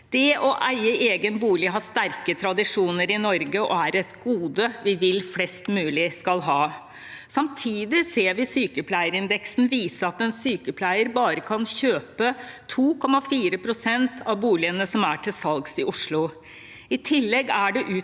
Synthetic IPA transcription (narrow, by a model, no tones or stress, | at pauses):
d̪̥ɛʔɔʔæɪəʔeːɡənbuːlɪɦɑʂt̪æɾkət̪ʰɾɑd̪ɪʂuːnəɾɪnɔɾɡəʔɔæɾɛt̪ɡuːd̪əʋɪʋɪlflɛst̪mʉːlɪskɑlɦɑː | sɑmt̪ʰiːd̪ɪseːɾʋɪsyːkəpʰlæɪəɾɪnd̪ɛksn̩ʋiːsəɑt̪ɛnsyːkəpʰlæɪəɾbɑːɾəkʰɑnçøːpət̪ʰuːkʰɔmɑfiːɾəpʰɾʊsɛnt̪ʰɑʋbuːlɪənəsɔmæʈʰɪlsɑlɡsɪʔʊʂlʊ | ɪt̪ʰɪlːɛɡæɖɛʔʉː